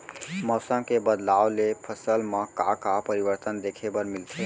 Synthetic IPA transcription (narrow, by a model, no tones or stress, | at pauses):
mɔsə̃ŋkebəd̪lawlepʰəsəlmə̃ka̰kapəɾibəɾt̪ənd̪ekʰebəɾmilt̪ʰe